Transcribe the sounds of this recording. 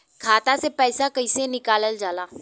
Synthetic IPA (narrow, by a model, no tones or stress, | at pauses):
kʰaːt̪asepɛːsakɐɪsenɪkaːləld͡ʒaːlaː